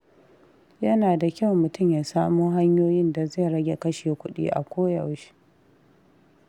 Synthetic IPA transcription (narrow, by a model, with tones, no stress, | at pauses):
jɐ˦naː˨da˨kʲa˦˨wmʊ˨tʊ˦˨mjaː˨saː˦muː˦ɦa˦ɲjoː˦jɪ˦nda˨ze˦˨ɾɐ˦ɡʲe˨kɐ˦ʃeː˨kʷʊ˦ɗḭː˦ʔa̰˨kʷoː˦jɐ˨wʃi̥˦